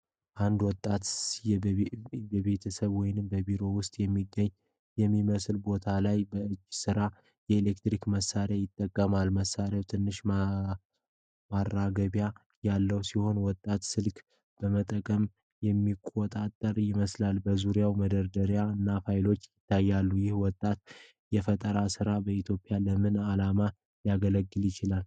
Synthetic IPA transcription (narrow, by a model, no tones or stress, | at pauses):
ʔand̪wɔt̪ʼːat̪ | jɛβe̞t̪ʰəsəβwɔjnɨmbəbiɾo̞wʊst̪ʼjɛmːiɡːəɲː | jɛmːiməslbo̞t̪ʰalajbəɨd͡ʒːsɨɾa | jɛelekt̪ɾikməsːaɾjajɪt̪ʼːəkʼːəmalməsaɾjawt̪ʰɨnːɨʃ | marːaɡəβja | jalːəwsiho̞nwɔt̪ʼːat̪sɨlk | b̥əmət̪ʼəkʼəm | jɛmːikʼːot̪ʼat̪ʼːəɾjɪməslalbəzuɾjawməd̪əɾd̪əɾjaɨnːafajlo̞t͡ʃːjɪt̪ʰːajːalːujɪhwɔt̪ʼːat̪̚ | jɛfət̪ʼəɾasɨɾabəit̪ʰjo̞pʼɪjaləmɨnalama | jaɡələɡːɨljɪt͡ʃɪlal